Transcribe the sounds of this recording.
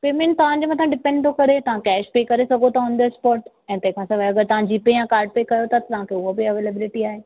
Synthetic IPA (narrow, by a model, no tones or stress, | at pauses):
peːmẽnʈ̚t̪ɐʋ̤ãɲd͡ʑomɐt̪ʰãɖɪpɛ̃ɳɖt̪ʰokɐɾet̪ɐʋ̤ãkɛːʃpeːkɐɾesɐɡʱot̪ʰaɦʊ̃nd̪əɪspɔːɾʈ | ɛ̃ːt̪ɐ̃ɦɪ̃kʰãsɐʋɐɡəɾt̪ɐʋ̤ãd͡ʑiːpejãkaːɾɖ̚peːkɐjot̪ʰat̪ɐt̪ɐʋ̤ãkʰeʊɦobɪɐʋeːlebɪlɪʈiaːɦeː